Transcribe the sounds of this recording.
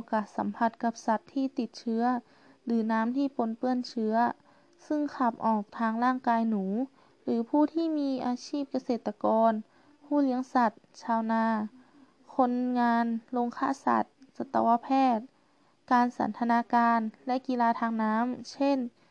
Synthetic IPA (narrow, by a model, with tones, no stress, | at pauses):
kaː˨˩t̪̚sa˨˦mpʰa˧t̪̚ka˧p̚sa˧˦t̪ʰːiː˧˩t̪i˧˩t̪̚t͡ɕʰɯ˧ɐ | lɯː˩˦naː˦˥mt̪ʰiː˧˩˨po˨˦npɯ˧˩ənt͡ɕʰɯ˧˥ɐ | sɯ˧˥˩ŋkʰaː˧˩p̚ʔɔː˨˩k̚t̪ʰaː˧ŋlaː˥˩ŋkaː˧jnuː˩˦ | lɯː˨˩˦pʰuː˧˩t̪ʰiː˧˥˨miː˧˥ʔaː˧siː˥˩p̚ka˧seː˧˩t̪ːa˧kɔː˧n | huː˧˥˩li˧˦əŋsa˧˩t̪̚t͡ɕʰaː˧wnaː˧˩˨ | kʰo˧˥nŋaː˧nlo˧ŋkʰaː˧˥˨sa̰˧˩t̪̚sa˧˦t̪ːa̰˧wa˧pʰɛː˧˥˩t̪̚ | kaː˨˧nsa̰˨˦nt̪ʰa˧naː˧˥kaː˧nlɛ˧˥ʔki˧laː˧t̪ʰaː˧ŋnaː˧˦˥mse˧˥˨n